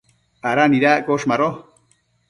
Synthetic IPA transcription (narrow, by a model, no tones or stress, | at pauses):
aɾaniɾaɡoʃmaɾo